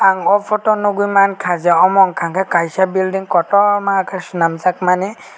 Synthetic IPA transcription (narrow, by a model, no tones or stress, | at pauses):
aŋɔpʰɔtɔnuɡujmankʰazaɔmɔŋkʰaŋkʰakajsabildiŋkɔtɔmakʰasunamzak̚mani